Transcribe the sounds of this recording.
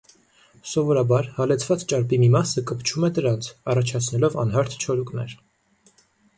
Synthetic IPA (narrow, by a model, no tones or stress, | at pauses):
sɔvɔɾɑbɑɾhɑlɛt͡sʰvɑt͡st͡ʃɑɾpimimɑsəkəpt͡ʃʰumɛd̪əɾɑnt͡sʰɑrɑt͡ʃʰɑt͡sʰnɛlɔvɑ̰nɦɑɾt̪ʰt͡ʃʰɔɾukʼnɛ̰ɾ